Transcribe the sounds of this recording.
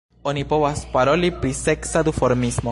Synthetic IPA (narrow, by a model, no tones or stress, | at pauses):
ɔnipɔwaspaɾɔlipɾisɛksad̪ufɔɾmismɔ